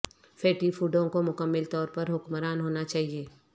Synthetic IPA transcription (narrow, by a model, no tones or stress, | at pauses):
fʰeːʈifuːɖõkomʊkəmːɪlt̪ɔːɾpɐɾɦʊkməɾaːnɦoːnat͡ʃaːɦieː